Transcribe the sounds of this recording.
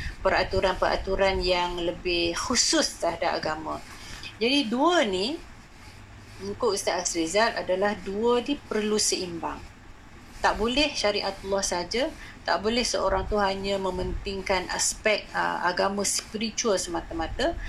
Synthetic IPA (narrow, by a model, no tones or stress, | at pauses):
pəɾat̪uɾanpəɾʔa̰t̪uɾanjaŋləbɪhxusʊst̪əadaʔa̰ɡamə̃ | d͡ʒadiduəni | mukʊʔist̪aʔɛksbizat̪̚adalahduədipərlusəimba̰ŋ | t̪aʔbolɛhʃaɾiʔat̪ulːɔhsəɦad͡ʒat̪a̰ʔbolɛhsəoɾaŋt̪uɦaɲə̃mə̃mənt̪ɪŋkanʔa̰spɛk̚t̪ə̰a̰ɡamə̃spiɾit͡ʃuəlsəmat̪amat̪a